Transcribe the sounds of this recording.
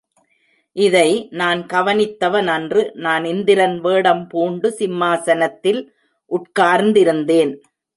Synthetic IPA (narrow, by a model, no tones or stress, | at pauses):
ʔɪðɐɪnaːnkɐʋɐnɪt̪ːɐʋɐnɐndrɯnaːnɪnd̪ɪɾɐnʋeːɽɐmpuːɳɖɯsɪmːaːsɐnɐt̪ːɪl | ʔʊʈkaːɾnd̪ɪɾɯnd̪eːn